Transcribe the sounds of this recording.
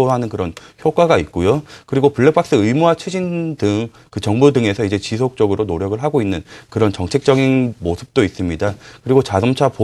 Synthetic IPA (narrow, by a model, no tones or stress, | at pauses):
oɦanɯnkɯɾʌnçjok͈aɡait̚k͈ojokɯɾiɡopuɭːekp͈ak̚s͈ɯɯɭmuat͡ɕʰɯd͡ʑindɯŋ | kɯt͡ɕʌŋbudɯŋe̞sʰʌid͡ʑe̞t͡ɕisʰok̚t͡ɕ͈ʌɡɯɾonoɾjʌɡɯɭɦaɡoinːɯnkɯɾʌnt͡ɕʌŋt͡ɕʰe̞k̚t͡ɕ͈ʌɡinmosʰɯ̥p̚t͈ois͈ɯmɲidakɯɾiɡot͡ɕasʌmt͡ɕʰapo